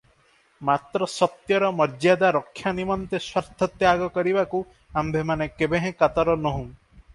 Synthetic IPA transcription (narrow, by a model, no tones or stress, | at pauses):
mat̪ɾɔsɔt̪jɔɾɔmɔɾd͡ʒjad̪aɾɔkʰːjanimɔnt̪eswaɾd̪ʱɔt̪jaɡɔkɔɾibaku | ambʱemanekebẽɦẽkat̪ɔɾɔnɔɦũ